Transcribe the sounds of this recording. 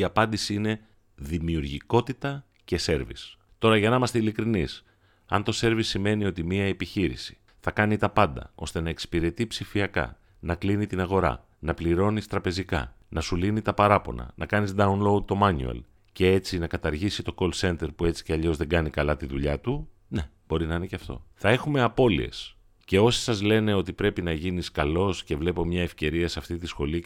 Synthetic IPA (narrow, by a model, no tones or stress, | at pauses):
iɐpɐnd̪isiine̞ | ðimiuɾʝiko̞t̪it̪ɐ | ce̞se̞ɾvḭs | t̪o̞ɾɐʝɐnɐmɐst̪eilikɾinis | ɐ̰nt̪o̞se̞ɾvisːime̞nio̞t̪imiɐepiçiɾḭsi̥ | θɐkɐnit̪ɐpɐnd̪ɐ̰o̞̰st̪e̞nɐe̞kspiɾe̞t̪ipsifiɐkɐ̰ | nɐklinit̪inɐɣo̞ɾɐ̰ | nɐpliɾo̞nist̪ɾɐpe̞zikɐ̰nɐsulinit̪ɐpɐɾɐpo̞̰nɐ̰nʔɐkɐnizd̪ɐunlo̞ut̪o̞mɐnṵḛl | ce̞e̞t͡sinɐkɐt̪ɐɾʝisit̪o̞ko̞lse̞nt̪e̞ɾpue̞t͡si̥ceɐʎo̞zðeɡɐnikɐlɐt̪iðuʎɐt̪u | ne̞b̥o̞ɾinɐineceɐft̪o̞̰θɐe̞xume̞ɐpo̞lḭe̞̰s | ce̞o̞si̥sɐzle̞ne̞o̞t̪ipɾe̞pinɐʝiniskɐlo̞sce̞vle̞po̞mɲɐefce̞ɾiɐsɐft̪it̪isxo̞li